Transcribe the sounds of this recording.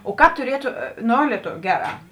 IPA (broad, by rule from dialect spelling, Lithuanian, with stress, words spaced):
oː ˈkɑːp tʊˈrʲiɛtʊ ˈnoː lʲɛˈtoːʋʲʊ ˈɡʲæːˌrɑː